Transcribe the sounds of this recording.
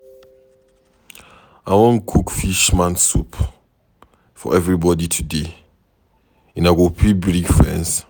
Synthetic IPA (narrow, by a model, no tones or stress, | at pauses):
awɔ̃nkʰukfiʃmãnsup | fɔ̰ʔɛvɹibɔditʰude | ĩnaɡopʰibɹiɡfɹɛ̰̃ns